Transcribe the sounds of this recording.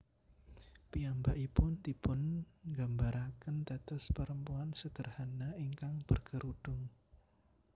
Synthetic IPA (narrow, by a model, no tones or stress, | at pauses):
piambaʔipʊnd̪ipʊnŋɡambaɾʔakənt̪ɛt̪əspəɾəmpuansəd̪̥ərhanaiŋkaŋb̥ərɡ̥əɾud̥ʊŋ